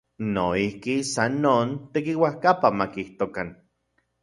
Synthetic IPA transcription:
noihkisanːoːnt̪ekiwahkapamakiht̪okan

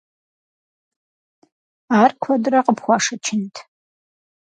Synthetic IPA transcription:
aːrkʷʰɔdrɐqəpχʷɑʂɐt͡ʃʰɪntʰ

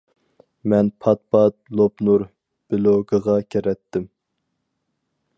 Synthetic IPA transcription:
mɛnpʰɑt̪̚pʰɑt̪̚lˠopnuɾ | b̥ɪloɡəʁɑkʲʰeɾɛt̪ːɪm

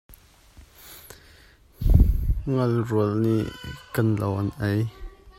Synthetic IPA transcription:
ŋɐlruəlniʔkɐnlawʔanʔɛj

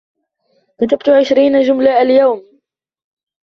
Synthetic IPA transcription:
kat̪ab̚t̪ʊʕɪʃɾiːnaʒʊmlaːʔaljawm

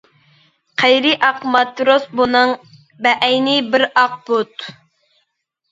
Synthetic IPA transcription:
qʰæjɾɪʔɑqmɑt̪ɾosbunɨŋ | bɛʔɛjnɪbɪɾɑq̚bot̪

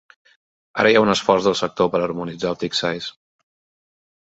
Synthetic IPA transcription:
a̰ɾəjaunəsfɔrzðəlˠsək̚t̪opəɾəɾmunid͡zalˠt̪iksajs

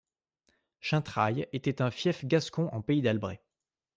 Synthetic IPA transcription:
ʃɛ̃t̪χajet̪ɛt̪ɛ̃fjɛfɡʲaskɔ̃ʔɑ̰̃peid̪albʁḛ

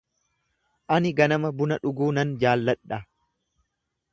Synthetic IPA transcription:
ʔɐnɪɡɐnɐmɐbʊnɐᶑʊɡuːnɐnd͡ʒaːlːɐᶑɐ

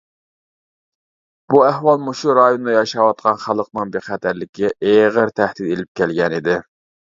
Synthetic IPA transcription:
b̥uæhwɑlˠmoʃuɾɑjonɨd̪ɑjɑʃɑwɑt̪̚qʰɑnχælˠəq̚nɨŋbeχæt̪ʰæɾlɪkʲʰiʔeʁəɾt̪ʰæhd̪id̪elɪp̚kʲʰɛlɡʲɛnid̪ɪ

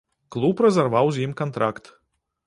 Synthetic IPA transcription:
klˠuːpɾazaɾvawzʲiːmkɔnt̪ɾakt̪

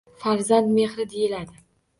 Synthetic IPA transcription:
faɾzand̪me̞hɾɪd̪ejɪlad̪ɪ

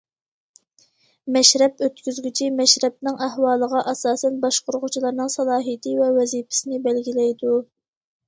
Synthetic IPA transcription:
mɛʃɾɛpøt̪kʲyzɡʲit͡ʃʰimɛʃɾɛp̚nɨŋʔæhwɑːlˠəʁɑʔɑsɑːsɛnbɑʃqʊɾʊʁʊt͡ʃʰilˠɑɾnɨŋsɑlˠɑːɦijt̪ʰɪvɛwɛzipɪ̥sɪnɪbælɡʲilɛjd̪u

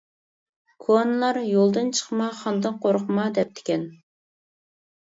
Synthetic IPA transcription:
kʰoɑnlˠɑɾjolˠd̪ɨnt͡ʃʰə̥qmɑχɑnd̪ɨnqʰoɾqʰəmɑd̪ɛp̚t̪ʰɪ̥kʲɛn

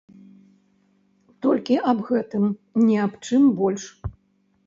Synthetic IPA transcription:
t̪ɔlʲkʲiʔabɣɛt̪ɨmnʲɛapt͡ʂɨmbɔlʲʂ

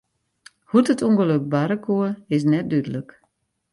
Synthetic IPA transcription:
hutətuŋɡəløk̚baɾəkʰuəɪs̬nɛt̚dydələk

